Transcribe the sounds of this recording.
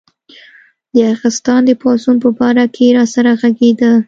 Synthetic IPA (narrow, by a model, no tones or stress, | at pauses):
d̪əaɣɪst̪ɑnd̪əpɑsunpəbɑɾakʰeɾɑsaɾaɣaɡed̪ə